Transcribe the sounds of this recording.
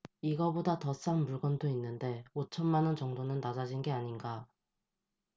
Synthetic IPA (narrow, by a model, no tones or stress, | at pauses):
iɡʌbodatʌs͈anmuɭɡʌndoinːɯnde̞ot͡ɕʰʌnmanʌnt͡ɕʌŋdonɯnːad͡ʑad͡ʑinɡe̞aɲinɡa